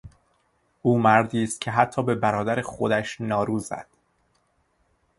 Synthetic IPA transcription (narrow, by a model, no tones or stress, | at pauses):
ʔuːmæɾd̪iːst̪̚cʲʰe̞ɦæt̪ʰːɒːbe̞bæɾɒːd̪æɾexo̞d̪æʃnɒːɾuːzæ̰d̪̥